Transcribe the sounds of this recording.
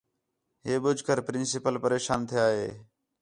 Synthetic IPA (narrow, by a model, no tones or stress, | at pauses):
ɦeːɓʊd͡ʒʱkəɾpɾɪnsɪpəlpəɾeːʃaːnt̪ʰɪjaːɦeː